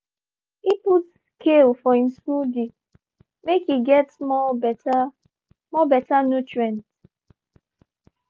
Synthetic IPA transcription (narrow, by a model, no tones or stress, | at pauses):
iput | kʰelfɔhĩmskudi | mekiɡɛtmɔbta | mɔbɛtanutɹɛ̃nt